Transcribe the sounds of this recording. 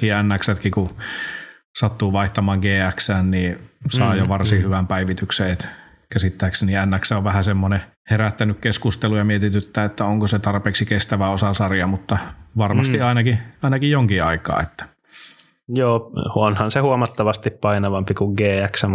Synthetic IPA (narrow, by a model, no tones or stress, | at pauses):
kiænːæksæt̪kiku | sɑt̪ːuːʋɑiht̪ɑmɑːŋɡeːæksæːnniːsɑːjoʋɑrsihyʋæmpæiʋit̪ykseet̪ | kæsit̪ːæiksæniænːæksæoʋʋæhæsemːone | heɾæt̪ːænykkeskust̪elujɑmiet̪it̪yt̪ːæet̪ːæoŋkoset̪ɑrpeːksikest̪æʋæosɑsɑrjɑmut̪ːɑʋɑrmɑst̪iɑinɑkiɑinɑkijjoŋkiɑikɑ̰ːet̪ːæ̥ | joːonhɑnsehuomɑt̪ːɑʋɑst̪ippɑinɑʋɑmpikuŋɡeːæksæm